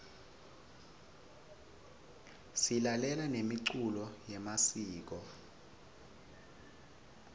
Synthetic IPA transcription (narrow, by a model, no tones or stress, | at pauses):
silalɛlanemiǀulɔjɛmasiːk̬ɔ